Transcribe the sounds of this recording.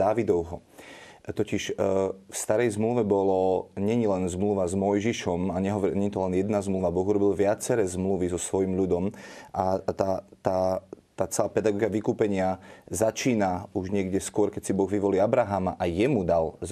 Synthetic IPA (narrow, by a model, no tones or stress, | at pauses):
aʋid̪ɔʊɦɔ | t̪ɔciʃfst̪aɾɛjzmluʋɛbɔlɔɲɛɲilɛnzmluʋazmɔjʒiʃɔmaɲɛɦɔʋɔɾiɲɛɲit̪ɔlɛnjɛd̪nazmluːʋabɔɣuɾɔbilʋɪat͡sɛɾɛzmluʋizɔsʋɔjimʎud̪ɔmʔat̪at̪at̪aːt͡sɛlaːpɛd̪aɡɔɡiɡaʋikuːpɛɲɪazat͡ʃiːnauʒɲɪɛɡɟɛskʊɔɾkɛcsibɔɣʋiʋɔliːabɾaɦamaʔajɛmud̪alz